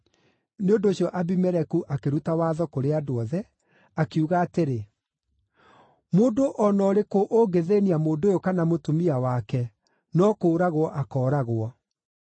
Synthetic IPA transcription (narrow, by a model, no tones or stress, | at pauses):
neondoːɕjɔʔabimɛɾɛkuʔakeɾutawaːðɔkoɾeadoɔðɛ | akuɣaːteɾe | moːndoʔɔnɔɾekoʔoɡeðeːniamoːndojokanamotomiawakɛ | nɔkoːɾaɣoɔʔakɔːɾaɣoɔ